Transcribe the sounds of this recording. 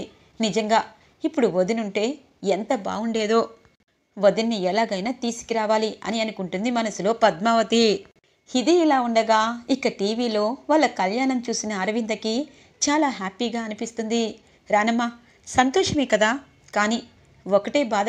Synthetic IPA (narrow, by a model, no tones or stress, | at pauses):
nid͡ʒɐŋɡaː | ipːuɽuʋod̪inuɳʈe̞ː | ent̪ɐba̰ːuɳɖe̞ːd̪o̞ː | ʋod̪inːiɛlaːɡɐjnaːt̪iːsi̥kiɾaːʋaːliɐ̰niɐnukuɳʈund̪imɐnɐsulo̞ːpɐd̪maʋɐt̪i | hid̪iːlaːuɳɖɐɡaːikːɐʈiːʋiːlo̞ːʋaːɭːɐkɐljaːɳɐmt͡ʃuːsinɐːɾɐʋind̪ɐki | t͡ʃaːlaːɦaːpiːɡaːɐnipist̪und̪i | ɾaːnɐmːaː | sɐnt̪ɔːʂɐmeːkɐd̪aː | kaːni | okɐʈe̞ːbaːd̪